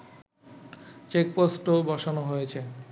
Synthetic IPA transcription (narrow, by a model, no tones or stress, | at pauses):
t͡ɕek̚posʈobʱɔʃonoɦojet͡ɕʰe